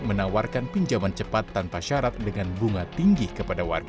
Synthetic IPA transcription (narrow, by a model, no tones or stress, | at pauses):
mənawarkanpiɲd͡ʒamant͡ʃəpat̪ːanpaʃaɾat̪̚dəŋanbuŋat̪iŋɡihkəpadawa̰rɡ